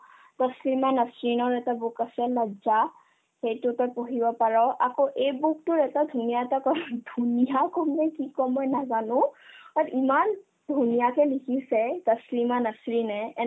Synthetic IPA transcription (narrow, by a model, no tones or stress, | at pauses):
təslimanəsɹinɔɹɛtabukasɛlaɡza | xejtʊtɔjpɔɦibɔpaɹɔʔakoʔejbuk̚tʊɹɛtadʱunijatakɔdʱunijakɔmnɛjkikɔmɔjnazanʊ̃atiman | dʱunijakɛlikʰisɛtəslimanəsɹinɛɛ